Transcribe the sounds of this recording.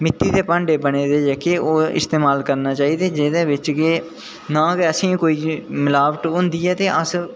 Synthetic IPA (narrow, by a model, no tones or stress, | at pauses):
mɪt̪ːiːd̪eːpãːɳɖeːbəɽ̃eːd̪eːd͡ʒɛkeːoːɪ̰st̪eːmaːlkəɾnaːt͡ʃaːiːd̪eːd͡ʒeːd̪eːʋɪt͡ʃkeː | nãːkːəsĩːkoːiːmɪlaːʋəʈɦʊ̃nd̪iːɛːt̪eːʔəs